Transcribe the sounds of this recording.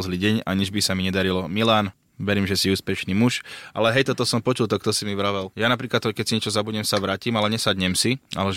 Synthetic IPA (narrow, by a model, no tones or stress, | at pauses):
zliːɟɛɲa̰ɲid͡ʒbisamiɲɛd̪aɾilɔmilaːn | ʋɛɾiːmʒɛsiuːspɛʃniːmuʃʔalɛɦɛjt̪ɔt̪ɔsɔmpɔt͡ʃult̪ɔkt̪ɔsimiʋɾaʋɛljaːnapɾiːklat̪kɛcsiɲɛt͡ʃɔzabuɲɛmsaʋɾaːciːmalɛɲɛsadɲɛmsia̰lɛ